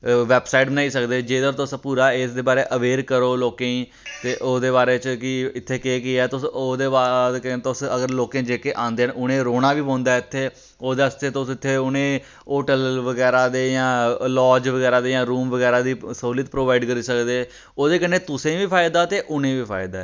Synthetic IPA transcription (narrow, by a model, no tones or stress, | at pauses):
ʋɛːbsaːɪʈbənaːiːsəkd̪eːd͡ʒeːəɡəɾt̪ʊspuːɾaːesd̪eːbaːɾeːʔəʋeːɾkəɾoːloːkẽːĩː | t̪eːʔoːd̪eːbaːɾeːt͡ʃkɪɪt̪ʰːeːkeːkɪɛːt̪ʊsoːd̪eːbaːekəet̪ːsəɡəɾloːkẽːd͡ʒeːkeːʔãːnd̪eːnʊñẽːɾoːɽãːʋiːbõːnd̪aːɪt̪ʰːeː | oːd̪est̪eːt̪osɪt̪ʰːeːʊñẽː | oːʈəlʋəɡɛːɾaːd̪eːjãːlɔːd͡ʒʋəɡɛːɾaːd̪eːjãːɾuːmʋəɡɛːɾaːd̪iːsəɦuːlət̪̚pɾoːʋaːɪɖkəɾiːsəkd̪eː | oːd̪eːkənːeːt̪ʊsẽʋiːpʰaːjd̪aːt̪eːʔʊnẽːʋiːpʰa̰ːɪd̪aːɛ